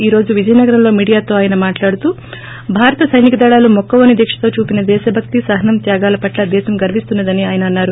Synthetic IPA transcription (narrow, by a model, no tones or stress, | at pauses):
iːɾo̞ːd͡ʒuʋid͡ʒɐjɐnɐɡɐɾɐmlo̞ːmiːɽijaːt̪o̞ːaːjɐnɐmaːʈlaːɽut̪uː | bʱaːɾɐt̪ɐsɐjnikɐd̪ɐɭaːlumɔkːɐʋɐniɐd̪jɐkʂɐ̥t̪o̞ːt͡ʃuːpinɐd̪ɛːʃɐbʱɐk̚t̪isɐɦɐnɐmt̪jaːɡaːlɐpɐʈlɐd̪ɛːʃɐmɡɐɾʋist̪unːɐd̪ɐniaːjɐnɐːnːaːɾu